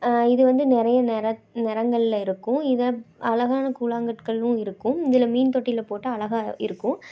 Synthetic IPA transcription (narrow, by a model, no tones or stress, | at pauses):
ɪðɯʋɐnd̪ɯnɪɾɐjɐnɛɾɐnɪɾɐŋɡɐɭɪlɪɾɯkːʊ̃ɪðɐɐlɐɣaːnɐkuːlaːŋɡɐʈkɐɭʊ̃ɪɾɯkːʊ̃ɪðɪlɐmiːnt̪ɔʈːɪlɐpoːʈːɐɐlɐɣaɪ̰ɾɯkːʊ̃